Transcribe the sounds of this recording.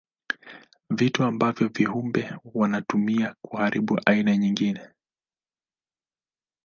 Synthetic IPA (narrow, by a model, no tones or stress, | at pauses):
vituambavjɔvihumbɛwanatumiakuhaɾiɓuʔainaɲiŋɡinɛ